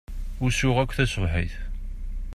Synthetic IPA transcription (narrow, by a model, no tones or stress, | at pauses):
ʊɾsʊʁækʷːθæsəvħiθ